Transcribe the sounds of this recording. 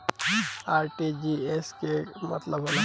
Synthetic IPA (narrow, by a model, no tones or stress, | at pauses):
aːɾʈid͡ʒieskemɐ̰t̪ləbɦola